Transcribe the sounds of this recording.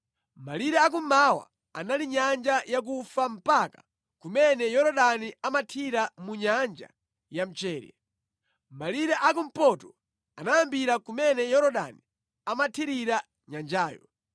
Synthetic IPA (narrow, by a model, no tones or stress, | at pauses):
maliɾɛak̬um̩mawa̰ | analiɲand͡ʒajak̬ufam̩paka | kumɛnɛjɔɾɔɗaniamatʰiɾamuɲand͡ʒa̰ | jam̩t͡ʃɛːɾjɛ̰ | maliɾɛʔakum̩pɔtɔ | anajambiɾakumɛnɛjɔɾɔɗa̰ni | amatʰiɾiɾa | ɲand͡ʒaːjɔ